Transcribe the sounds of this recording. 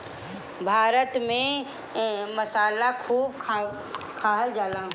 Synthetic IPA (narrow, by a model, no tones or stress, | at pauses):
bʱaːɾət̪mẽ | məsaːlakʰuːbkʰ | kʰaːɦəld͡ʒaːlãː